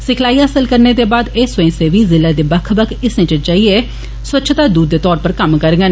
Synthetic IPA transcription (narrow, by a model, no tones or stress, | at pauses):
sɪkʰlaːiːaːəsəlkəɾneːd̪eːbaːd̪eːsʊẽːseːʋiːzɪlːaːd̪eːbəkʰbəkʰɪsnẽt͡ʃət͡ʃaːiːeː | swətːt͡ʃʰt̪aːd̪uːd̪ːeːt̪ɔːɾpəɾkəmkəɾɡən